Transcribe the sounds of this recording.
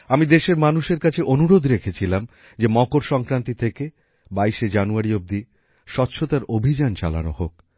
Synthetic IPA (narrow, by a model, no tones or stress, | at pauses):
amid̪eʃeɾmanuʃeɾkat͡ɕʰeʔonuɾod̪ɾekʰet͡ɕʰilam | d͡ʑemɔkoɾʃɔŋkɾant̪it̪ʰeke | baiʃed͡ʑanuaɾiob̚d̪i | ʃɔtːɕʰot̪aɾobʱid͡ʑant͡ɕa̰la̰no̰hok̚